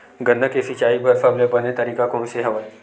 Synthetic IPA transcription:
ɡɐ̃nːəkesɪt͡ʃaːibʱɐɾfɐblebɐnet̪ɐɾiːkakõːseɦɐʋəl

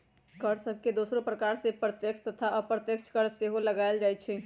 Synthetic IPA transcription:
kəɾsəb̚ʱked̪oːsɾopɾəkaːɾsepɾət̪jəkt͡ʃʰt̪ət̪ʰaʔəpɾət̪jəkt͡ʃʰkəɾseɦoləɡaeld͡ʒajt̪t͡ʃʰɛ

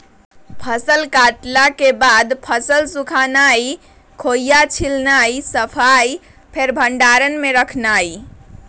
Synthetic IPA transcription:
pʰəsəlkaʈlakebad̪pʰəsəlsukʰanai | kʰojjat͡ʃʰilnaisəpʰaj | pʰeɾbʱəɳɖaɾənmeɾəkʰnaj

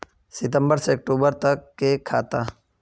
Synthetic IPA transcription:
sɪt̪ə̃mbəɾseɐk̚ʈuːbəɾt̪ɐkːekʰa̰ːt̪aː

